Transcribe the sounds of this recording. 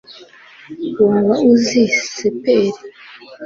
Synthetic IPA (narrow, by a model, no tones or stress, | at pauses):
woːmβauzisepeɾi